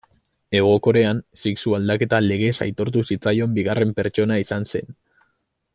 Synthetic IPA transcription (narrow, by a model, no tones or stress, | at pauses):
e̞ɣ̞o̞ko̞ɾe̞ansiksuald̪ake̞t̪ale̞ɣ̞e̞sa̰jt̪o̞ɾt̪̬usit͡sajo̞mbiɣ̞are̞mpe̞ɾt͡ʃo̞naisanse̞̰n